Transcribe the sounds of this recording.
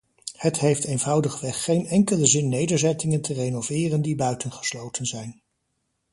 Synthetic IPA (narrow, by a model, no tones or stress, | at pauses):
hətɦejftejnvʌwdəχʋɛχːejnɛŋkələzɪnːejdəɹzɛtɪŋəntʰərejnovɪːrəndibœɥtənχə̥slowtənzɛjn